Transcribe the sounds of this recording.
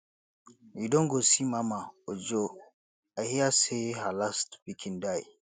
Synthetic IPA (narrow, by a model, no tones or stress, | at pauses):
widɔŋɡosimamaɔd͡ʒɔ | ahijasɛhalastb̥ikʰindaj